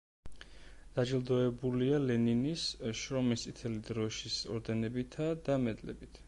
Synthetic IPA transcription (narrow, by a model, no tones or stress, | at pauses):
d̪̥ad͡ʒilˠd̪ɔɛbulialɛninisʃɾɔmist̪ʼit̪ʰɛlid̪ɾɔʃisɔɾd̪ɛnɛbit̪ʰad̪amɛd̪lɛ̰bit̪ʰ